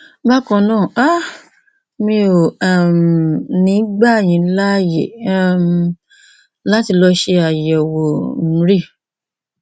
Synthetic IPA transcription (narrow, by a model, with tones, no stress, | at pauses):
ba˦kɔ̃˨˧˨nãː˦˨a˦ | mĩ˧˦o˨a˨m˨nĩ˨˦ɡ͡ba˦˨j̃ĩ˨˦la˦jḛ˨m | la˦ti˧lɔ˧ʃe˧a˨jwo˨m̩˨˦ɾi˦˨